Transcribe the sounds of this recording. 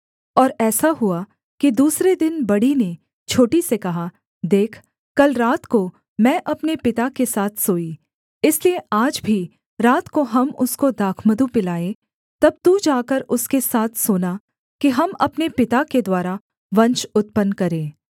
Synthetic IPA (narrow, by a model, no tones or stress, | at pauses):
ɔːɾɛːsaɦʊa | kid̪uːsɾed̪ɪnbɐɽine | t͡ʃʰoːʈisekɐɦa | d̪eːkʰ | kɐlɾaːt̪ko | mɛ̃ːʔɐpnepɪt̪akesaːt̪ʰsoːi | ɪslieʔaːd͡ʒbʱi | ɾaːt̪koɦɐmʊskod̪aːkʰməd̪upɪlaːe | t̪ɐb̚t̪ud͡ʒaːkəɾʊskesaːt̪ʰsoːna | kiɦɐmɐpnepɪt̪aked̪waːɾa | ʋɐ̃ɲt͡ʃʊt̪̚pənkɐɾẽː